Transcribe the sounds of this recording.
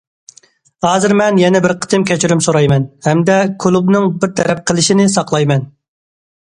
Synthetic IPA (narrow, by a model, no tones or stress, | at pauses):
hɑːzɨɾmɛnjɛnɛbɪɾqʰə̥t̪ʰɨmkʲɛt͡ʃʰyɾymsoɾɑjmɛnhɛmd̪ɛkʰulˠubnɨŋbɪɾt̪ʰɛɾɛp̚qʰəlˠɪʃinɪsɑqlˠɑjmɛn